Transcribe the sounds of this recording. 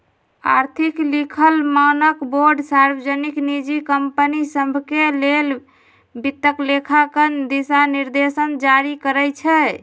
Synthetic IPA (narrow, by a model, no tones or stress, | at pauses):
a̰ɾt̪ʰiklikʰəlmanəkboɾɖsaɾbəd͡ʒəniknid͡ʒikəmpənisəmbʱkelel | bit̪ːəklekʰakənd̪isaniɾd̪esənd͡ʒaɾikəɾəjt͡ʃʰɛ